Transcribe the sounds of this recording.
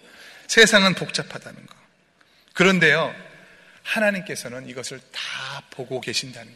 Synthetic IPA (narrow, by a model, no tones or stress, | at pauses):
sʰe̞sʰaŋɯnpok̚t͡ɕ͈apʰadanɯnɡʌ | kɯɾʌnde̞jo | hanaɲimk͈e̞sʰʌnɯniɡʌsʰɯɭtapoɡoke̞ɕʰindanɯn